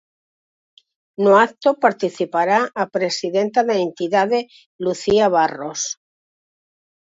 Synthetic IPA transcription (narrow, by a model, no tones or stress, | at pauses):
noak̚t̪opaɾt̪iθipaɾaʔapɾesiðent̪aðeent̪iðaðe | luθiaβ̞aros